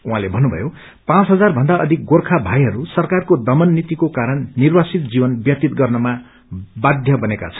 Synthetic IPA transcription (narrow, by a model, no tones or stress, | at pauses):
uɦãlebʱʌnːubʱʌ̰jo | pãt͡sɦʌd͡zarbʱʌnd̪aʔʌd̪ʱik̚ɡorkʰabʱajɦʌɾusʌrkarkod̪ʌmʌnːit̪ikokaɾʌnːirwasit̪̚d͡zibʌnbjʌt̪it̪̚ɡʌrnʌma | bad̪ʱjʌbʌneka̰t͡sʰʌ̥n